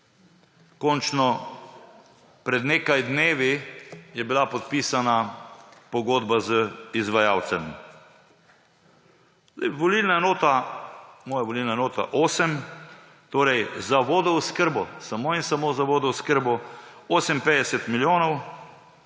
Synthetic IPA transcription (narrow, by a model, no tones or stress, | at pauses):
kɔnt͡ʃnɔ | pɾɛd̪neːkajd̪neːʋijɛbilapɔt̪̚piːsanapɔɡoːd̪bazəizʋajawt̪sɛm | zd̪ɛ̰jʋɔlilnanoːt̪a | mɔːjaʋɔlilnanoːt̪a̰ʔoːsɛm | t̪oːɾɛjzaʋoːd̪ɔuskəɾbɔsamoːinsamoːzaʋoːd̪ɔwskəɾbɔoːsɛmpeːd̪ɛsɛt̪miljoːnɔw